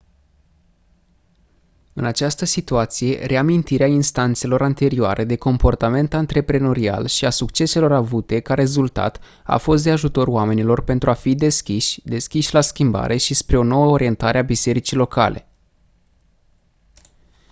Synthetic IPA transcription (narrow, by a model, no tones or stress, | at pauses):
ɨnat͡ʃast̪əsit̪uat̪sije̞̰ɾʔe̞amint̪iɾeainst̪ant̪se̞lo̞ɾant̪e̞ɾioa̰ɾʔe̞d̪e̞ko̞mpo̞rt̪ame̞nt̪ant̪ɾe̞pɾe̞no̞ɾia̰lʃiasukt͡ʃe̞se̞lo̞ɾavut̪e̞kaɾe̞zult̪a̰t̪ | a̰fo̞st̪̚d̪e̞aʒut̪o̞roame̞nilo̞rpe̞nt̪ɾuafid̪e̞skʲiʃʲd̪e̞skʲiʃʲlaskʲimba̰ɾʔe̞ʃispɾe̞o̞no̞wəoɾie̞nt̪aɾeabise̞ɾit͡ʃilo̞ka̰le̞̰